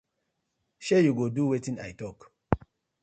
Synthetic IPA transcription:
ʃejuɡoduwetĩna̰jtɔk

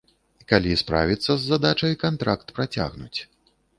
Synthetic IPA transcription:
ikalʲispɾa̰vʲit̪sːɐzːad̪at͡ʂɐjkant̪ɾakt̪pɾat͡sʲa̰ɣnut͡sʲ

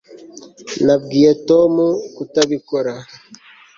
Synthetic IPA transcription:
nabɡiːetomukutaβikoɾa

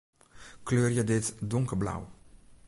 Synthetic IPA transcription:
kløːrjədɪtdʊŋkərbla̰w

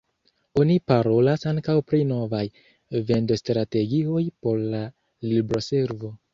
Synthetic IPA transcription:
o̞nipaɾo̞lasaŋkawpɾino̞vaj | ve̞ndostɾate̞ɡio̞jpo̞ɾla | libɾo̞se̞ɾvo̞

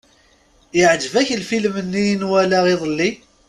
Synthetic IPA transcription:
jɪʕd͡ʒəvæçlfilmənːijnwælaʁiðˤlːi

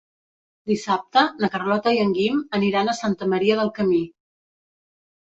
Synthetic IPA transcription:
d̪isap̚t̪ənəkərlɔt̪əiəŋɡiməniɾanəsant̪əməɾiəðəlˠkəmi

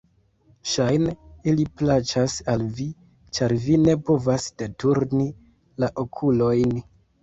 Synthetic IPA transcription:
ʃajneiliplat͡ʃasalvi | t͡ʃaɾvine̞po̞vasd̥e̞tuɾni | laʔokʰulo̞jn

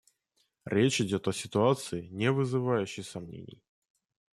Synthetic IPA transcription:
ɾʲet͡ɕɪdʲo̞t̪ɐsʲɪt̪ʊat̪sɨɪnʲɪvɨzɨvajʉɕːɪjsɐmnʲḛnʲɪ̰j

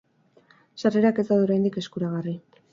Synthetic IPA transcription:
ʃareɾake̞t̪aðuɾajnd̪ike̞skuɾaɣ̞ari

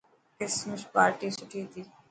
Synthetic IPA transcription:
ɪsmʊʃpaːɾʈisʊʈʰit̪ʰiː

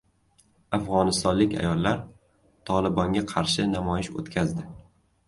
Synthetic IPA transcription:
afʁɒnɪst̪ɒnlɪkʲa̰jɒlˠːaɾ | t̪ʰɒlˠɪbɒŋɡʲaqʰɑɾʃɪnamɒjɪʃo̰t̪kʲʰazd̪ɪ

